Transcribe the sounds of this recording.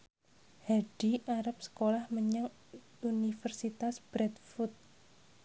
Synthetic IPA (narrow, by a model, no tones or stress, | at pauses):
haɖ̥iʔaɾap̚sə̥kolahməɲəŋ | unifərsit̪asb̥ɾɛt̪fut̪̚